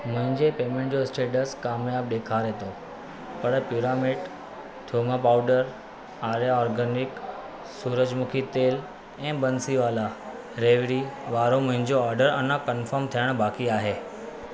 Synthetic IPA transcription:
mʊ̃ɦɪ̃ɲd͡ʑepeːmẽːɳʈ̚d͡ʑoɪsʈeːʈəskaːmjaːb̚ɗ̪eːkʰaɾɦeːt̪o | pɐɽpjuːɾaːmɪʈ | t̪ʰjoːmapaːʊɖəɾ | aːɾjaɔːɾɡəːnɪk | suːɾəd͡ʑmʊkʰit̪eːl | ɛ̃ːbənsiʋaːla | ɾeːʋɾiʋaːɾomʊ̃ɦɪ̃ɲd͡ʑoɔːɾɖəɾɐnəkənfʰəɾmt̪ʰijəɽ̃baːkiaːɦeː

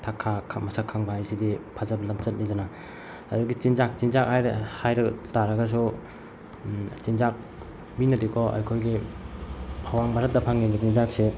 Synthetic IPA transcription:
tʰakʰːakʰmɐsakʰaŋbajsidipʰazɐblamt͡ʃɐt̚nizana | aduɡit͡ʃinzak̚t͡ʃinzak̚hajɾhajɾɐɡtaɾɐɡɐs̬u | t͡ʃinzak̚ | minɐdikʰɔʔa̰jkʰojɡi | awaŋbaɾɐt̚dɐpʰaŋnibɐt͡ʃinzak̚se

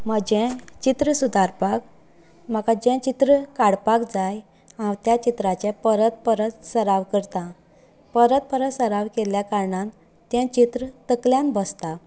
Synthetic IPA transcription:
məd͡ʑɛ̃t͡ɕit̪ɾəsud̪aɾpak̚ | m̤akad͡ʑɛ̃t͡ɕit̪ɾəkaɽpakd͡zaj | ãwt̪jat͡ɕit̪ɾat͡ɕɛ̃pəɾət̪̚pəɾət̪səɾaʋkəɾt̪ã | pəɾət̪̚pəɾət̪səɾaʋkeljakaɾɳãn | t̪jɛ̃t͡ɕit̪ɾət̪əkljãnbəst̪a

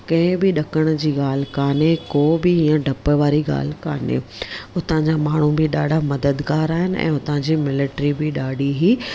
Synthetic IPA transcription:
kɐ̃ɦɪ̃bɪɗɐkəɽ̃ʊd͡ʑiːɠaːl̤ɪkaːnekoːbɪɦiːãɖʱɐpəʋaːɾiɠa̰ːl̤ɪkaːnḛʊt̪ə̃ãɲd͡ʑaːmaːɳ̤ũbɪɗaːɖʱamɐd̪əd̪ɡaːɾaːɦɪnɪ̆ɛ̰̃ːʊt̪ãd͡ʑiːmɪlɪʈɾibɪɗaːɖiɦiː

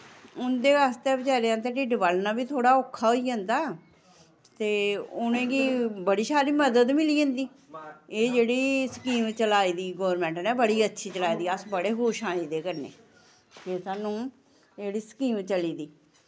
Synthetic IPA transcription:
ʊnd̪eːəst̪eːbət͡ʃaːɾejãːt̪̬eːʈiːɖbalnãːbiːt̪ʰoːɽaːʊkʰːaːɦoːiːd͡ʒə̃ːnd̪aː | t̪eːʊnẽːɡiːbəɽiːsaːɾiːməd̪əd̪mɪliːə̃nd̪iː | eːd͡ʒeːɽiːsə̥kiːmt͡ʃəlaːiːd̪iːɡoːɾmɛ̃ːɳʈnɛ̃ːbəɽiːətːʃʰiːt͡ʃəlaːiːd̪iːəsbəɽeːɦoːʃãːiːd̪eːkəɾnḛː | keːsaːnũː | d͡ʒeːɽiːsə̥kiːmt͡ʃəliːd̪iː

